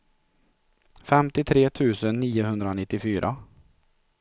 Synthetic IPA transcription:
fɛmt̪ɪt̪ʰɾeːt̪ʰʉ̟ːsənːiːʊhɵnd̪ɾaɔnɪt̪ːɪfyːɾʔa̰

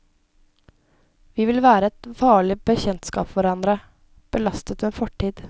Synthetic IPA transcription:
ʋiːʋɪlʋæːɾəɛt̪fɑːɭɪbəçɛnt̪skɑ̰ːpʋɑɾɑnd̪ɾə | b̥əlɑst̪ət̪meːfɔʈːiːd̪

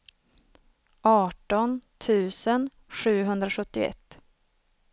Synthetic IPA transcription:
ʔɑːʈɔnt̪ʰʉ̟ːsən | ɧʉ̟ːɦɵnd̪ɾaɧɵt̪ːɪɛ̰t̪ː

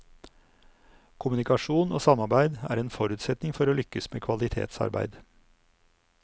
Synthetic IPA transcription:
kʰʊmʉnɪkɑʃuːno̰ːsɑmɑɾbæɪd̪æ̰ːɾeːnfɔɾʉːt̪sɛt̪nɪŋfɔɾoːlʏkːəsmeːkʰʋɑlɪt̪ʰḛːt̪sɑ̰ɾbæ̰ɪd̪

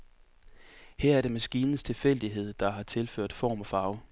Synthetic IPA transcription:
hɛɐ̰æɐɾ̥e̝mæsɡ̥iːnn̩st͡sʰe̝lfel̰d̥iɦe̝ð̞̰ˠd̥ɑ̈ɦɑ̈t͡sʰe̝lføɐ̰d̥fɒ̰ːmɒ̽fɑ̈ːʊ

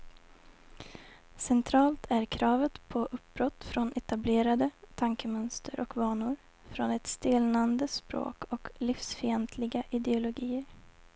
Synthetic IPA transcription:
sɛnt̪ʰɾɑːlt̪ʰæɾkʰɾɑːvət̪pʰɔʔɵp̚bɾɔt̪ːfɾɔnʔɛt̪ableːɾad̪ət̪ʰaŋkəmœnst̪ʰəɾʔɔkvɑːɳʊɾ | fɾɔnɛt̪st̪eːlnand̪əspɾo̰ːkʰɔklifsfɪɛnt̪ʰlɪɡaʔɪd̪ɛʊlʊɡiːəɾ

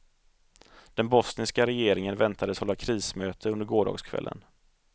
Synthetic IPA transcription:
d̪̥ɛnbɔsnɪskaɾɛjeːɾɪŋənvɛnt̪ʰad̪əshɔlːakʰɾiːsmøːt̪ʰəɵnd̪əɾɡoːɖɑ̰ːɡskʰvɛ̰lːʔə̰n

